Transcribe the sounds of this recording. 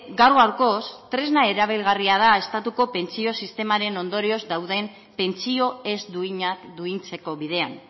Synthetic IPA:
ɡaɾɣoawɾko̞st̪ɾe̞znae̞ɾaβ̞elɣariað̞ae̞st̪at̪uko̞pe̞nt͡sio̞sist̪e̞maɾe̞no̞nd̪o̞ɾio̞zd̪awðe̞m | pe̞nt͡sio̞e̞zd̪uiɲad̪uint͡se̞ko̞βið̞e̞a̰n

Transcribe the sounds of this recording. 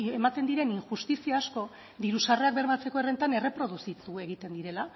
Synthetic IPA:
emat̪e̞nd̪iɾe̞niŋʝust̪isiaːsko̞ | d̪iɾusare̞ak̚be̞ɾmat͡se̞ko̞ere̞nt̪ane̞re̞pɾo̞ð̞usit̪ue̞ɣ̞it̪e̞nd̪iɾe̞la

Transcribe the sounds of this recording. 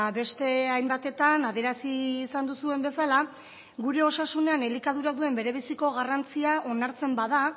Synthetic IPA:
be̞st̪e̞ajmbat̪e̞t̪anaðeɾasiːsand̪usue̞mbe̞sala | ɣuɾe̞o̞sasune̞ane̞likaðuɾaðue̞mbe̞ɾe̞β̞isiko̞ɣarant͡siaʔo̞naɾt͡se̞mbað̞a

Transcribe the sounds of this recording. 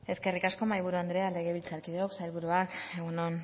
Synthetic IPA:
e̞ske̞rikasko̞majβ̞uɾuand̪ɾe̞ale̞ɣ̞e̞β̞ilt͡saɾkiðeoksajlβuɾuake̞ɣunon

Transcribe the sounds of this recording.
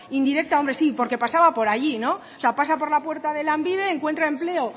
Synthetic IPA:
ind̪iɾe̞k̚t̪ao̞mbɾe̞sipo̞ɾke̞pasaβapo̞ɾaʝino̞ | ose̞apas̬apo̞ɾlapwe̞ɾt̪aðe̞lambiðeːŋkwe̞nt̪ɾae̞mple̞o

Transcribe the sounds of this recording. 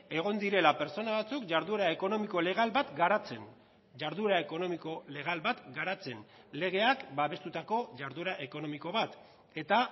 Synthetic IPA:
e̞ɣ̞o̞nd̪iɾe̞lape̞ɾt͡so̞naβat͡sukʝaɾðuɾae̞ko̞no̞miko̞le̞ɣ̞albat̪ɡaɾat͡se̞n | ʝaɾðuɾaeko̞no̞miko̞le̞ɣ̞albat̪ɡaɾat͡se̞n | le̞ɣ̞e̞akbaβe̞st̪ut̪ako̞ʝaɾðuɾaʔe̞ko̞no̞miko̞βat̪ | e̞t̪a

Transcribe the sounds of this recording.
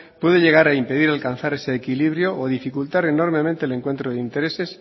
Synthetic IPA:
pwe̞ðeʎe̞ɣ̞aɾaimpe̞ðiɾalkan̟θaɾe̞seːkiliβɾjo̞ʔoðifikult̪aɾe̞no̞ɾmẽ̞mẽnt̪eːle̞ŋkwe̞nt̪ɾoðeint̪e̞ɾe̞se̞s

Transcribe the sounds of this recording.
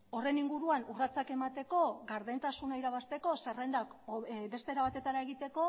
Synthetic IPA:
o̞re̞niŋɡuɾuanurat͡sake̞mat̪e̞ko̞ɣaɾðent̪asunaiɾaβast̪e̞ko̞serend̪akbe̞st̪eɾaβat̪e̞t̪aɾae̞ɣit̪e̞ko̞

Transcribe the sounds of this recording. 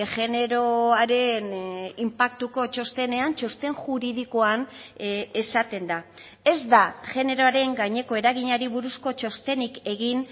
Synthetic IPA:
ʝe̞ne̞ɾoaɾe̞nimpak̚t̪uko̞t͡ʃo̞st̪e̞ne̞ant͡ʃo̞st̪e̞ŋʝuɾiðikoan | esat̪e̞nd̪a | e̞zd̪aʝe̞ne̞ɾo̞aɾe̞ŋɡaɲe̞ko̞e̞ɾaɣ̞iɲaɾiβuɾusko̞t͡ʃo̞st̪e̞nike̞ɣin

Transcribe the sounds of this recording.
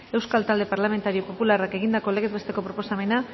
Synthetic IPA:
e̞wskalt̪ald̪e̞paɾlame̞nt̪aɾio̞po̞pularake̞ɣ̞ind̪ako̞leɣeze̞st̪e̞ko̞pɾo̞po̞same̞na

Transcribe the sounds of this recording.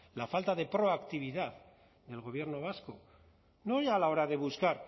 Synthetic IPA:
lafalt̪aðe̞pɾo̞akt̪iβ̞iðað | ðe̞lɣo̞βje̞ɾno̞β̞asko̞ | noɾjalao̞ɾaðe̞βuskaɾ

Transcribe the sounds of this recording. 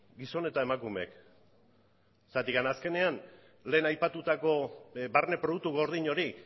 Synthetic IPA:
ɡiso̞ne̞t̪ae̞makumḛk | sat̪ikanaske̞ne̞an | le̞ːnajpat̪ut̪ako̞barne̞pɾouk̚t̪uɣo̞ɾð̞iɲo̞ɾi

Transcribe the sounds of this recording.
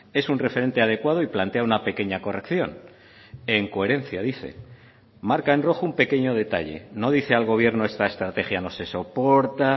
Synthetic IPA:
e̞sunre̞feɾe̞nt̪e̞að̞e̞kwað̞oiplant̪e̞aunape̞ke̞ɲako̞re̞kθjo̞n | e̞ŋko̞e̞ɾe̞n̟θjaðiθe̞̰ | maɾkaenro̞xumpe̞ke̞ɲo̞ð̞e̞t̪a̰ʎe̞̰no̞ð̞iθe̞alɣ̞o̞β̞je̞ɾno̞e̞st̪aest̪ɾat̪e̞xjano̞se̞so̞po̞ɾt̪a

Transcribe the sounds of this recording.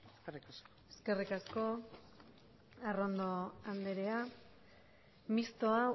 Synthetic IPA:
srs | eske̞rikasko̞ | arond̪oand̪eɾea | mist̪o̞a

